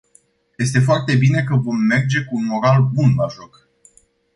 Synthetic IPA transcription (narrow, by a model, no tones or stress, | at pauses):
je̞st̪e̞foart̪e̞bine̞kəvo̞mːe̞rd͡ʒe̞kuːnmo̞ɾalbunmaʒok